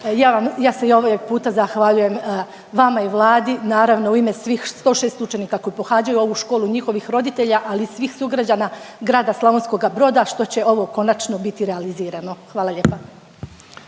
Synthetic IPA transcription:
jaːʋamjaːseio̞ʋojeɡ̚puːt̪azaxʋaʎuje̞m | ʋamaiʋlˠaːd̪inaːɾaʋno̞uime̞sʋiːxst̪o̞ːʃeːst̪ut͡ʃeniːkako̞jipo̞xaːd͡ʑajuo̞ʋuʃko̞ːluɲixo̞ʋixɾo̞d̪it̪e̞ʎaʔalisʋiːxsuɡɾad͡ʑanaɡɾaːd̪aslˠoʋonsko̞ɡabɾo̞ːd̪aʃt̪o̞t͡ɕe̞ʔo̞ʋo̞ko̞nat͡ʃno̞bit̪iɾealiziːɾano̞xʋaːlˠaʎeːpa

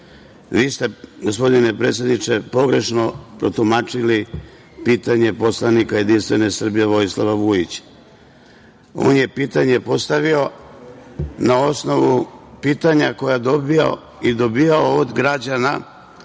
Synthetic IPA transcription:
ʋiːst̪e̞ɡo̞spo̞d̪ine̞pɾe̞t̪sʲjed̪nit͡ʃe̞po̞ɡɾe̞ʃno̞pɾot̪umat͡ʃili | piːt̪aɲe̞po̞slˠanikaje̞d̪inst̪ʋe̞ne̞sr̩bije̞ʋo̞islaʋaʋujit͡ɕ | o̞̰ːnje̞piːt̪aɲe̞po̞st̪aʋio̞ | nao̞sno̞ʋupiːt̪aɲako̞jad̪o̞biao̰ | id̪o̞bijaood̪ɡɾad͡ʑana

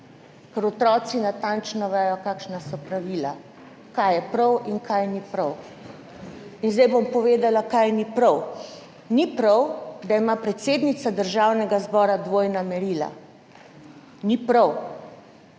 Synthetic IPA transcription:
kɛɾɔt̪ɾɔːt̪sinat̪ant͡ʃnɔʋɛːjɔkaːkʃnasɔpɾaʋiːla̰ | kajɛpɾɔwiŋkʰajnipɾɐw | inzd̪ɛjbompɔʋeːd̪alakajnipɾɐw | nipɾɔwɡd̪aimapɾɛt̪seːd̪nit̪sad̪əɾʒawnɛɡazbɔːɾad̪ʋoːjnamɛɾiːla̰ | nipɾɔw

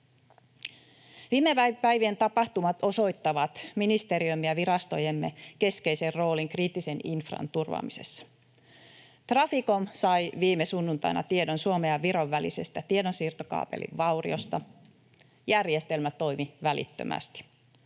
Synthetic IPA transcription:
ʋiːmepæpæjʋient̪ɑpɑht̪umɑt̪o̞so̞jt̪ːɑʋɑt̪minist̪e̞ɾiømːiɑʋiɾɑst̪o̞jemːe̞ke̞ske̞jse̞rro̞ːliŋkriːt̪ːise̞ninfrɑ̰nt̪urʋɑ̰mise̞̰sːɑ̥ | t̪rɑfiko̞msɑjʋiːmesunːunt̪ɑ̰jnʔɑ̰t̪iedo̞nsuomeɑʋːiɾo̞ʋːælḭse̞st̪æt̪iedosiːrt̪okɑ̰ːpḛlḭʋʋɑwrḭost̪ɑ | jærjest̪e̞lmæt̪o̞jmiʋælḭt̪ːø̰mæ̰st̪i̥

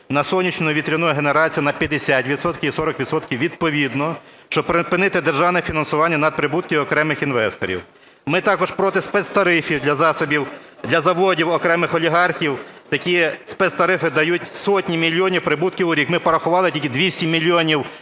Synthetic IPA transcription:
nɐsɔlnʲit͡ʃnʊʋʲit̪ɾʲinujɛɦeneɾɑt͡sʲijʊnɐpʲjɐd̪esʲat̪ʲʋʲid̪sɔt̪kʲiwisɔɾɔkʋʲit̪sɔt̪kʲiwʋʲid̪̚pɔʋʲid̪nɔ | ʃt͡ʃɔbpɾɪpɪnɪt̪ɪd̪erʒɑwnɛfʲinɐnsʊʋɑnʲːɐnɐd̪̚pɾɪbut̪̚kʲiɔkɾɛmɪxinʋɛst̪ɔ̰ɾʲḭw | mɪt̪ɑkɔʒpɾɔt̪ɪspɛt̪st̪ɐɾɪfʲiwd̪lʲɐzɑsɔbʲiw | d̪lʲɐzɐʋɔdʲiwɔkɾɛmɪxɔlʲiɦɑrxʲiwt̪ɐkʲijɛspɛt̪st̪ɐɾɪfɪd̪ɐjutʲsɔtʲnʲimʲilʲːiɔnʲiwpɾɪbut̪̚kʲiwʊɾʲikmɪpɔɾɐxʊʋɑlˠɪtʲilʲkʲɪd̪ʋʲisʲtʲimʲilʲːiɔnʲiw

